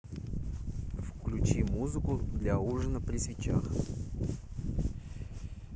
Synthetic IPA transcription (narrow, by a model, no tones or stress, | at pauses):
fklʲʉt͡ɕimuzɨkʊd̪lʲauʐɨnəpɾʲɪsvʲɪt͡ɕa̰x